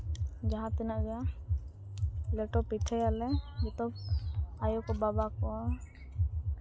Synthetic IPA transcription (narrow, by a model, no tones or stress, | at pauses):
d͡ʒaɦãt̪ɛnaʔd͡ʒa | lɛʈɔpit͡ʃʰajalɛbit̪ɔb̚ajɔkɔbabakɔ